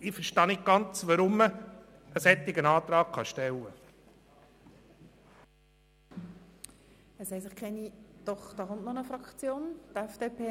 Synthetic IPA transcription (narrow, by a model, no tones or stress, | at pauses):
ɪfəɾʃtɑːnɪt̚ɡ̥ɑnt͡sʋɑɾʊmːə | əsɛt̪ːɪɡənɑːt̪ɾɑːkχɑʃtɛlːə | ɛsɛɪsɪχkʰɛnid̪̥ɔχd̥̪ɑːχʊntnɔnəfrɑkt͡sjoːnt̪ɛfd̥eːpʰeː